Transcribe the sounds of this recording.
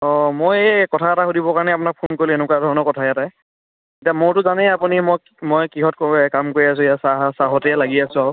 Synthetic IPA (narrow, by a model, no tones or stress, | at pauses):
ɔmojkɔtʰaɛtaxudibɔkaɹnɛapʊnak̚pʰonkoɹilienʊkwadʱɔɹɔnɔkɔtʰajata | ketiamʊɹtʊzanɛapunimo | mojkiɦɔt̚kkamkoɹias̬ʊ̃ijasaɦasaɦɔtɛɛlaɡiasʊ̃aw